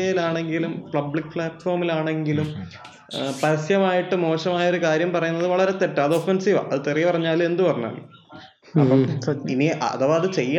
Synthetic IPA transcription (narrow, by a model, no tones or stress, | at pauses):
ejilaːɳe̞ŋɡilumpɭɐbɭikːfɭaːʈːfo̞ːrmilaːɳe̞ŋɡilum | pɐɾɐsjɐmaːjiʈːɨmo̞ːɕɐmaːjɐo̞ɾukaːɾjɐmpɐrɐjunːɐðɨʋɐɭɐɾe̞t̪etːaːðɨofensiːʋa̰ʔɐðɨt̪irijɐpɐrɐɲːaːlume̞nd̪upɐrɐɲːɐ̰li | ɐpːɐiniʔɐ̰ðɐʋɐðɨt͡ɕe̞jːa